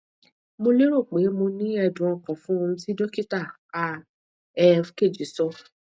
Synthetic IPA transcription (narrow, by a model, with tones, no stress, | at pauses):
mo˧le˦ɾo˦˨k͡pe˨˦mo˧nĩ˦ɛ˦˧˨dũ˨ɔ̃˧˨kɔ̃˨fũ˦o˧ũ˧ti˦do˦ki˦ta˦˨ | a˦ | ɛ˦fke˦˨d͡ʒi˨˦sɔ˧